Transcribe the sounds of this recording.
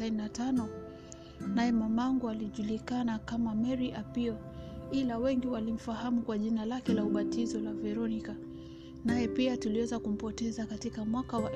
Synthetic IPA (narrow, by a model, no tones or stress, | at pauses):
aninatanɔ | najɛmamaŋɡualiʄulikanakamamɛɾiʔapiɔ | ilawɛŋɡiwalim̩fahamukwaʄinalakɛlauɓatizɔlavɛɾɔnika | najɛpiatuliwɛzakum̩pɔtɛzakatikamwakawaʔ